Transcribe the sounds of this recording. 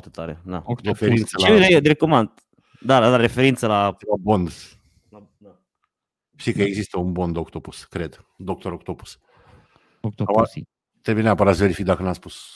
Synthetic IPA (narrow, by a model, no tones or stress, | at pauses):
rt̪et̪aɾed̪a̰ɾefeɾint̪səleeɾekomand̪ | d̪ad̪aɾefeɾint̪səlalabond̪ | a | d̪a | ʃt̪ikəe̞ɡzist̪əunbond̪okt̪opuskɾe̞d̪d̪o̞k̚t̪oɾokt̪opu̥s | aa | t̪ɾebujeneapəɾat̪sve̞ɾifik̚d̪akənaspus